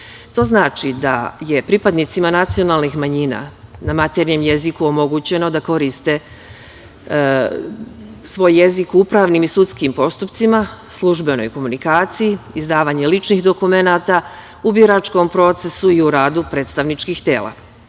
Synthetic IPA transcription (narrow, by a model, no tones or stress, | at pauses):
t̪o̞ːznaːt͡ʃid̪aje̞pɾipad̪nit̪simanat̪sijo̞naːlˠnixmaɲina̰namat̪eɾɲe̞mje̞zikuomo̞ɡut͡ɕe̞no̞d̪ako̞ɾist̪e̞ | sʋo̞ːjːe̞zikupɾaːʋnimisut̪skimpo̞st̪upt̪simaslˠuʒbe̞no̞̰jko̞munikaːt̪sijiizd̪aːʋaːɲe̞lit͡ʃnixd̪o̞kume̞nat̪a | ubiɾat͡ʃko̞mpɾo̞ːt̪se̞suiuɾaːd̪upɾe̞ːt̪st̪aʋnit͡ʃkixt̪eːlˠa̰